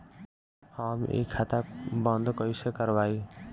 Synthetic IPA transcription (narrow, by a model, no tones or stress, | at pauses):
hamḛkʰːat̪abʌnd̪kʌjsekʌɾbaj